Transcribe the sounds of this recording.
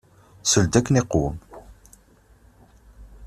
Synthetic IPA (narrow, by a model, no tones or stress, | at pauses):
səld̪ækːəniquwəm